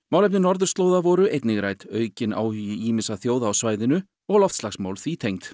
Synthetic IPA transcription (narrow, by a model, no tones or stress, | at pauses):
maːwlɛp̬̚nɪnɔɾðʏɾ̥st̪loːwðavɔɾʏʔejt̪nɪɣɾajt̪œːɥcɪna̰ːwhʏjɪʔiːmɪsaθjoːwðaːwsvaːjðɪnʏ | ɔɣlɔft̪slaxsmaːwlθiːt̪ʰejŋt̪